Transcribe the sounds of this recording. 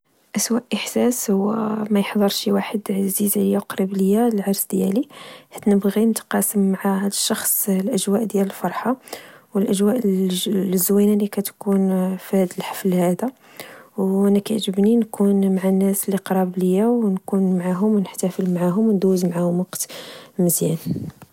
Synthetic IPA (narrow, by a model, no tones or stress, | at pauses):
ʔæswæʔəħsæshʊwːæmæjəħd̪ˤəɾˤʃiwaħəd̪ʕzizʕlijawqɾəbləjːaləlʕɑɾˤsd̪jæ̰liħæt̪nəbɣinət̪qɑsəmːʕadəʃːɑxsˤlʔæʒwæʔd̪jæləlfɑɾˤħɑwəlʔəʒwæʔ | əzːwinælikæt̪kunfæd̪əlħɑ̥flhæd̪a | wʔænækæʕʒəbninkunmaʕanːæsliqɾˤɑbləjːawnkunmʕaɦʊmwnəħt̪æfəlmʕaɦʊmwnd̪uzmʕahʊmwɑqt̪məzjæn